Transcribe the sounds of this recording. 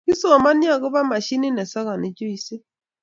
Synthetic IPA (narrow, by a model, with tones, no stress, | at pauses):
ki˦so˦˨ma˦ni˦a˨ɣʊ˦βa˦ma˨ʃi˦ni˦nɛ˨sa˦ɣa˨ni˨d͡ʒo˦i˨se˦